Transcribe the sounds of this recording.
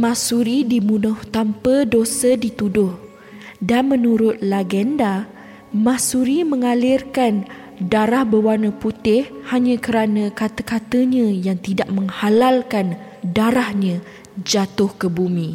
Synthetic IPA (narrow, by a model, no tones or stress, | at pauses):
mãsuɾidimunʊht̪ampədosədit̪udʊh | danmə̃nuɾʊt̪̚laɡɛnda | masuɾimə̃ŋalɪrkan | daɾahbəwanə̃put̪ɪhhaɲãkəɾanãkat̪əkat̪əɲãjaŋt̪idaʔ̚mə̃ŋhalalkan | daɾahɲã | d͡ʒat̪ʊhkəbumĩ